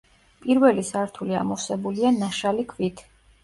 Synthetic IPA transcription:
pʼiɾvɛlisaɾt̪ʰulia̰mɔsɛbulianaʃalikʰvit̪ʰ

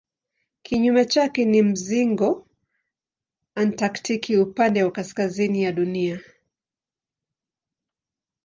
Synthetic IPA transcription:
kʰiɲumɛt͡ʃakɛnim̩ziŋɡɔ | antaktʰikʰiupandɛwakaskazinijaɗunia

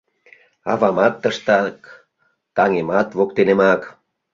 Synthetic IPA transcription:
ɑvɑmɑt̪ːəʃt̪ɑk | t̪ɑŋemɑt̪βokt̪enemɑk

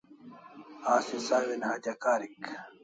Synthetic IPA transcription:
aːsisaːwinhaːt̪ɐkaːɾik

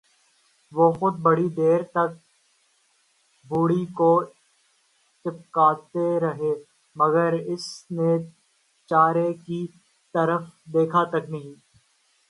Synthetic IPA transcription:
ʋoːxʊd̪̚bɐɽid̪eːɾt̪ɐk̚ | bʱuːɽiko | t͡ʃɪp̚kaːt̪eɾɐɦe | mɐɡəɾɪsne | t͡ʃaːɾeki | t̪ɐɾəfd̪eːkʰat̪ɐknɐɦĩː

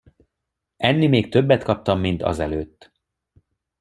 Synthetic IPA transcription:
ɛnːimeːk̚t̪øbːɛt̪kɒp̚t̪ɒmːint̪ɒ̰zɛløːt̪ː

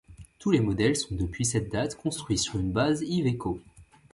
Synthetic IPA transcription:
t̪ulemɔd̪ɛlsɔ̃d̪əpɥisɛt̪̚d̪at̪kɔ̃st̪χɥisyʁynbaziveko

